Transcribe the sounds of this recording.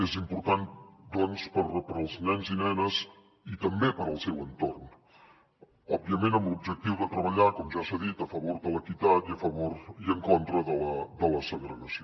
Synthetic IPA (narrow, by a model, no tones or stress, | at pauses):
ezimpuɾt̪and̪ɔnspəɾpəɾəlˠznɛnzinɛnəz | it̪əmbepəɾəlˠsɛwənt̪orn | ɔb̚biəmenəmlub̚ʒək̚t̪iwðət̪ɾəβəʎakɔmʒasəðit̪əfəβoɾðələkit̪at̪iəfəβoɾiəŋkont̪ɾəðələd̪ələsəɣɾəɣəsio